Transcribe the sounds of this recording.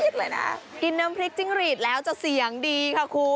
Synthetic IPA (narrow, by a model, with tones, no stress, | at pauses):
i˦˥t̪̚lɤː˧jna̰˦˥ki˧nːaː˦˥mpʰɾi˦˥k̚t͡ɕi˧˩ŋɾiː˨˩t̪̚lɛː˦˥wt͡ɕa˨˩si˨˩˦ə˦ŋdiː˧kʰa˥˩kʰuː˧˩